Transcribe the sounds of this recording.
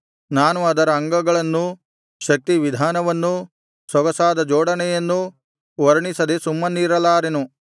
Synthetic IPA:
naːnuɐd̪ɐɾɐːŋɡɐɡɐɭɐnːu | ʃɐk̚t̪iʋid̪ʱaːnɐʋɐnːu | sɔɡɐsaːd̪ɐd͡ʒɔːɽɐnɛjɐnːu | ʋɐɾɐɳisɐd̪esumːɐniːɾɐlaːɾenu

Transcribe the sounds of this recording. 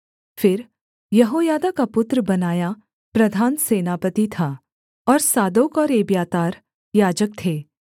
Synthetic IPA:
fɪɾ | jɐɦoːjaːd̪akapʊt̪ɾəbɐnaːja | pɾɐd̪ʱaːnseːnaːpət̪it̪ʰa | ɔːɾsaːd̪oːkɔːɾeːbjaːt̪aːɾ | jaːd͡ʒək̚t̪ʰeː

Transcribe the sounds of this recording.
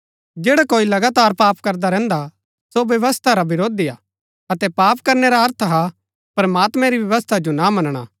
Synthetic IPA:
d͡ʒeːɽakoːilɐɡaːt̪aːɾpaːpkɐɾd̪aɾɛ̃ːnd̪a | soʋjɐʋəst̪ʰaɾabɪɾoːd̪ijaː | ɐt̪ɛpaːpkɐɾneɾaɦɐɾt̪ʰaɦa | pɾɐmaːt̪mɛ̃ɾiʋjɐʋəst̪ʰad͡ʒonamɐnɽ̃a̰

